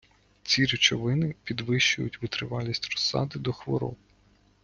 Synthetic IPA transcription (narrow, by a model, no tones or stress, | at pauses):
t͡sʲiɾʲɪt͡ʃɔʋɪnɪpʲid̪ʋɪʃt͡ʃʊjʊtʲʋɪt̪ɾɪʋɑlʲisʲtʲrɔ̥sːɑ̰d̪ɪd̪ɔxʋɔ̰ɾɔ̰b̚